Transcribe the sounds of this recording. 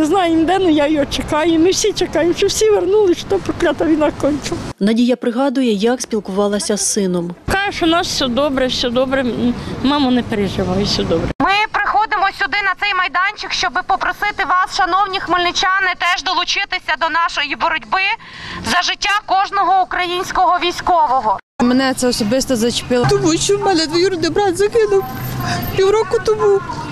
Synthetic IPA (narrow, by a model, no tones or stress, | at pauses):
neznɑjɛmd̪ɛnʊjajjɔt͡ʃekɑjʊmɪwsʲit͡ʃekɑjemʃt͡ʃɔwsʲiʋernulˠɪʃt̪ɔpɾɔklʲɑt̪ɐʋʲinɐkɔnʲk̪ʲʊnɐdʲijɐpɾɪɦɑd̪ʊjɛjɐksʲpʲilˠkʊʋɑlˠɐsʲɐsːɪnɔmkɑʒɛʃɔnɑssʲɔd̪ɔbɾɛwsʲɔd̪ɔbɾɛmɑmɔnɛpeɾeʒɪʋɑjʊsʲɔd̪ɔbɾɛmɪpɾɪxɔd̪ɪmɔsʲʊd̪ɪnɐt̪sɛjmɐjd̪ɑnʲt͡ʃɪkʃt͡ʃɔbɪpɔpɾɔsɪt̪ɪʋɑsʃɐnɔwnʲixmɪlʲnɪt͡ʃʲanɪt̪ɛʒd̪ɔlˠʊt͡ʃɪt̪ɪsʲɐd̪ɔnɑʃɔjibɔɾɔdʲbɪ | zɐʒɪtʲːakɔʒnɔɦɔukɾɐjinʲsʲkɔɦɔʋʲijsʲkɔʋɔɦɔ | menɛt̪sɛɔsɔbɪst̪ɔzɐt͡ʃpɪlˠt̪ʊbut͡ʃimɛlʲɛd̪ʋɔjuɾd̪ɪbɾɑt̪ʲzɐkɪnʊwpʲiwɾɔkʊt̪ʊbu